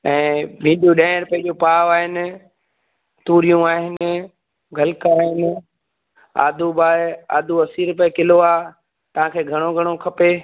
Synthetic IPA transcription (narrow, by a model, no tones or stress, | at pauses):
ɛ̃ːbʱĩːɖjũɗɛ̃ːɪ̃ɾʊpɐɦɪ̃d͡ʑõpaːʋaːɦɪnɪ̆ | t̪uːɾijũaːɦɪnɪ̆ | ɡʱɐlkaːɦɪnɪ̆ | a̰ːd̪ʱubaːa̰ːd̪ʱuɐsiːɾʊpəekɪloaː | t̪ɐʋ̤ãːkʰeːɡʱɐɽ̃oɡʱɐɽ̃okʰɐpeː